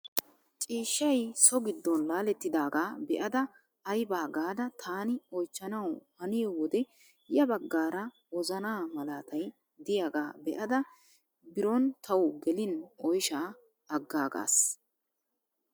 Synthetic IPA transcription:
t͡ʃʼiːʃːɐjsɔɡɪd̪ːɔnlaːlɛt̪ːɪd̪aːɡaːbɛʔɐd̪ɐː | jbaːɡaːd̪ɐt̪ʰaːnɪɔjt͡ʃːɐnɐwhɐnɪjɔwɔd̪ɛ | jɐbɐɡːaːɾɐ | wɔzɐnaːmɐlaːt̪ɐj | d̪ɪjaːɡaːbɛʔɐd̪ɐ | bɪɾɔnt̪ʰɐwɡɛlɪnɔjʃaː | ɐɡːaːɡa̰ːs

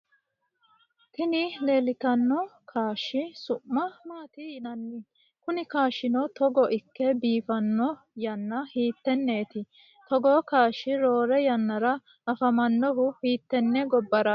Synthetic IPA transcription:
k̪ɪnɪle̞ːlɪt̪ɐnːɔkʰaːʃɪsʊʔːɐmaːt̪ɪjɪnɐnːɪ | kʊnɪkaːʃːɪnɔt̪ɔɡɔʔɪkːɛbiːfɐnːɔ | jɐnːɐhiːt̪ːɛnːeːt̪ɪ | t̪ɔɡɔkaːʃːɪɾo̞ːɾɛjɐnːɐɾɐ | ɐfɐmɐnːɔɦʊhiːt̪ːɛnːɛɡɔbːɐɾɐ

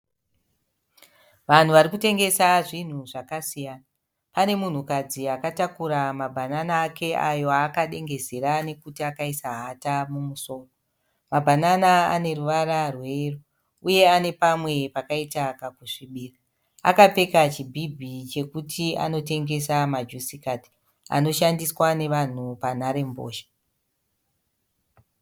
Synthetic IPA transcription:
ʋan̤uʋaɾikute̞ŋɡe̞saʐin̤uʐakasijaːna | pane̞mun̤ukad͡ziakatakuɾamabʱananaːke̞ʔajo̞akaɗe̞ŋɡe̞zeɾane̞kutiakaisaɦatamumuso̞ːko | mabʱananaa̰ne̞ruʋaɾarwe̞ru | uje̞ane̞pamwe̞pakaitakakuʂiɓiːra | a̰kap͡fe̞kat͡ʃibʱibʱit͡ʃe̞kutʰia̰no̞te̞ŋɡe̞samad͡ʒusikati̥ | a̰no̞ʃandiswane̞ʋan̤upanaɾe̞mbo̰ːʃḁ

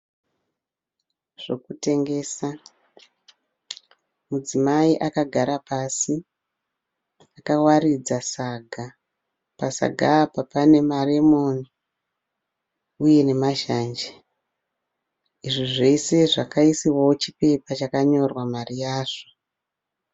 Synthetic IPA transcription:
ʐ̥o̞kute̞ŋɡe̞ːsa | mud͡zimaiʔakaɡʱaɾapasi | akawarid͡zasaɡʱa | pasa̰ɡʱapapane̞maremoni | uje̞ne̞maʃaːnd͡ʒe | iʐiʐe̞se̞ʐakaisiwaot͡ʃipe̞pat͡ʃakaɲo̞rwamarijaːʐo̥

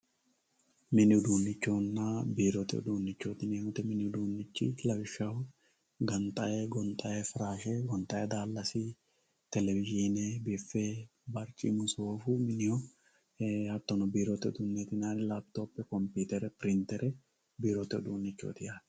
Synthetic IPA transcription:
mɪnːɪʊd̪uːnːɪt͡ʃːoːnːaːbiːɾot̪ɛɔ̰d̪uːnːɪt͡ʃːoːt̪ɪneːnʊt̪ɛmɪnɪʊd̪uːnːɪt͡ʃːɪlɐbɪʃɐhʊ | ɡɐnt̪ʼɐʔeːɡɔnt̪ʼɐʔeːfɪɾaːʃeːɡɔnt̪ʼɐjed̪aːlːɐsiː | t̪ɛlɛvɪʒiːnebɪfːeːbɐɾt͡ʃʼḭːmʊsoːfʊmɪnɪjɔ | hɐt̪ːɔnɔbiːɾot̪ɛɔd̪unːeːt̪ɪnaːɾɪlaːbt̪oːpːɛkɔmpiːt̪ɛɾɛpɪɾɪnt̪ɛɾʔɛ | biːɾot̪ɛɔ̰d̪uːnːɪt͡ʃːo̰ːt̪ɪjaːd̪

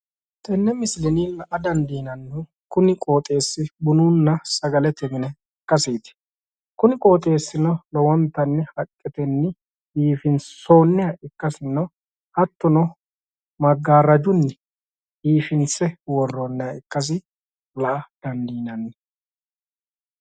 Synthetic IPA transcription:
t̪ɛnːɛmɪslɛniːlɐʔɐd̪ɐnd̪iːnɐnːʊ | kʊnɪkʼo̞ːt̪ʼe̞ːsːɪbʊnuːnːɐsɐɡɐlɛt̪ɛmɪnɛ | kːɐsiːt̪ɪ̥ | kʊnɪkʼo̞ːt̪ʼe̞ːsːɪnɔlɔwɔnt̪ːɐnːɛhɐkʼːɛt̪ɛnːɛ | iːfɪnso̞ːnːɛjɐɪkːɐsɪnːɐ | hɐt̪ːɔnɔ | mɐɡːaːɾɐd͡ʒʊnːɛ | iːfɪnt͡sːɛwɔrːoːnːɛjɐɪkːɐs̬ɪ | lɐʔɐd̪̥ɐnd̪iːnɐnːɛ

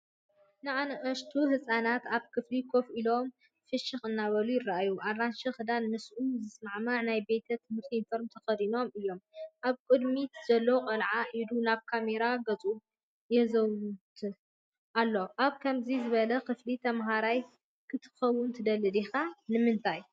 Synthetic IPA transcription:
nɨanɐʔɐʃt̪ʰuɦɨsʼanat̪aβkʰɨflikʰo̞filo̞m | fɨʃɨxɨnːaβɐlujɪrːaʔajuʔarːanʃɐxɨd̪almɨsʔuzɨsmaʕmaʕnajbe̞t̪ʰɐt̪ʰɨmhɨɾt̪ʰiinfo̞ɾmt̪ʰɐxɐd̪ino̞mɨjːo̞mʔaβkʼɨd̪miz̥ɐlːowkʼɐlʕaʔid̪unaβkʰame̞ɾaɡɐt͡sʼu | jɛzɐwt̪ʰ | ʔalːo̞ʔaβkʰɐmzizɨβɐlɐkʰɨflit̪ʰɐmɦaɾaj | kʰɨt̪ʰɨ̥xɐwːʊnt̪ʰɨd̪ɐlːɨd̪ixanɨmɨnt̪ʰaj

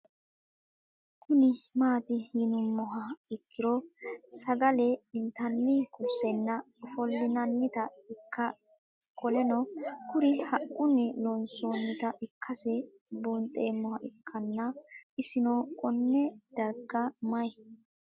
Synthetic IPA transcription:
kʰʊnɪmaːt̪ɪhɪnʊmːɔɦɐɪkːɪɾɔsɐɡɐlɛɪnt̪ɐnːɪkʊsɛnːɐ | fɔlːɪnɐnːɪt̪ɐɪkʰːɐ | kʼɔlɛnɔkʊɾɪhɐʔʊnɪlɔnsoːnːɪt̪ɐʔɪkʰːɐsɛ | buːnt̪ʼːeːmːɔhɐʔɪkʰːɐnːɐɪsɪnokʼɔnːɛd̪̥ɐɾɡɐmɐ

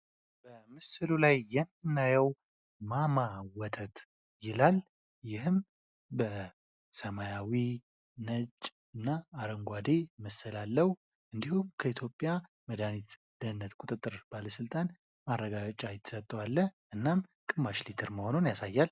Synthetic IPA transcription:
b̥əmɨsɨlulajːɛmːɨnːajɛw | mamawɔt̪ʰət̪ | jɪlal | jɪhɨm | bə | səmajawi | nət͡ʃʼː | ɨnːaːɾəŋɡʷad̪eməsɨlalːəhu | ʔɨnd̪ihumkʰəit̪ʰjo̞pʼːja | məd̪anit̪ | d̪̥əɨnːət̪kʷʼut̪ʼɨt̪ʼːɨɾb̥aləsɨlt̪ʼan | marːəɡaɡət͡ʃʼajɪt̪sət̪ʼːəwalːəʔɨnːamkʼɨmːaʃlit̪ʰɨɾməho̞nonjasajːal

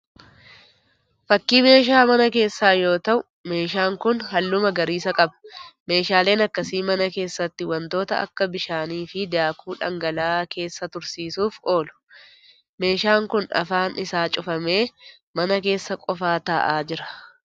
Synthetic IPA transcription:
fɐkːiːme̞ːʃ̬aːmɐnɐke̞ːsːaːjo̞ːt̪ɐʔʊ | me̞ːʃaːŋkʊnɦɐlːʊmɐɡɐɾiːsɐkʼɐbɐ̥me̞ːʃaːle̞ːnɐkːɐsiːmɐnɐke̞ːsːɐt̪ːɪwɐnt̪o̞ːt̪ɐ̰ʔɐ̰kːɐbɪʃaːniːfɪd̪aːkʰuːᶑɐ̰ŋɡɐlaːkʰe̞ːsːɐt̪ʊɾsiːsuːfo̞ːlʊ̥ | me̞ːʃaːŋkʊnɐ̰faːnɪsaːt͡ʃʼʊfɐme̞ː | mɐnɐke̞ːsːɐkʼɔfaːt̪ɐʔaːd͡ʒɪɾɐ̥

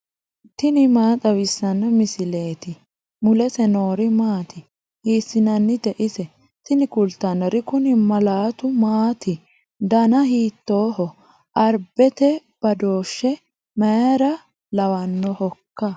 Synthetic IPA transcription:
t̪ɪnɪmaːt̪ʼɐwɪsːɐnːɔmɪsɪle̞ːt̪ɪ | mʊlɛsɛno̞ːɾɪmaːt̪ɪ | hiːsɪnɐnːɪd̪ɛʔɪsɛ | t̪ɪnɪkʊlt̪ːɐnɔɾɪkʊnɪmɐlaːt̪ʊmaːt̪ɪ | d̪ɐnɐhiːt̪ːoːhɔ | ʔɐɾbɛt̪ɛ | b̥ɐd̪o̞ːʃːɛ | mɐjɾɐ | lɐwɐnːɔhɔkːɐ

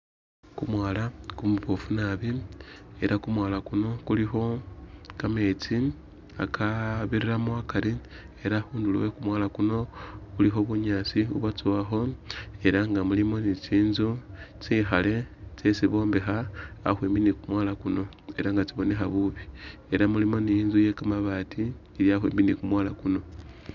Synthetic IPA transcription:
kumwaːlakumuβofunaβie̞ɾʔakumwaːlakuno̞kulixo̞kame̞ːt͡si | a̰kʰaβiɾiɾamwakali | e̞ɾaxuːndulwekumwaːlakuno̞ulixo̞βuɲaːt͡siṵβwat͡suwaxo̞e̞ɾaŋɡamulimo̞nit͡siːnzut͡sixale̞t͡sesiβo̞ːmbe̞xa̰ːxweːmbinikumwaːlakuno̞ | e̞ɾaŋɡat͡siβo̞ne̞xaβuβi | e̞ɾamulimo̞nijiːnzuje̞kamaβaːtʰi | iljaxwḭːmbinikumwaːlakuno̞

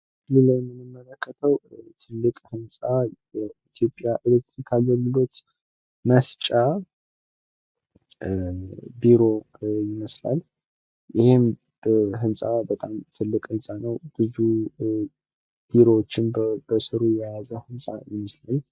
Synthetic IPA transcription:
liləmːɨnːɨmːələkʰːət̪ʰəwt̪ʰɨlːɨkʼhɨnsʼa | ɛit̪ʰjo̞pʼjaʔilek̚t̪ɾikʰaɡəlɡɨlo̞t̪ | məst͡ʃʼa | biɾo̞ | jɪməsla̰l | jɪhɪm | ɦɨnsʼabət̪ʼamt̪ʰɨlːɨkʼɨnsʼanəwb̥ɨzu | b̥iɾo̞wot͡ʃːɪnbəsɨɾujɛjazəhɨnsʼa̰jɪməslal

